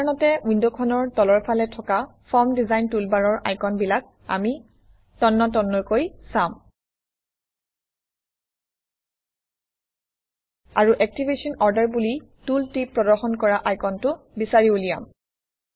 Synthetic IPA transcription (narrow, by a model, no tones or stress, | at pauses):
nɔtɛundɔkʰɔnɔɹtɔlɔɹpʰalɛtʰɔkafpʰɔɹmdizajntulbaɹɔɹʔa̰jkɔnbilak̚ | a̰mi | tɔnːɔtɔnːɔɹkojsam | a̰ɹuʔɛk̚tibesɔnɔɹdaɹbuli | tultɹipːɹɔdɔɹxɔnkɔɹaʔajkɔntʊ | bisaɹiulija̰m